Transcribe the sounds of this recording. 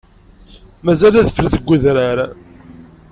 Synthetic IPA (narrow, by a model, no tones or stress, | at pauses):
mæzælæθəfəlðəɡʷːuðɾaɾ